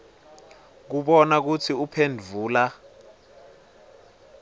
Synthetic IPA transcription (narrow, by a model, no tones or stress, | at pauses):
k̬uɓɔnak̬ut͡sʰiupʰendʱvʱuːla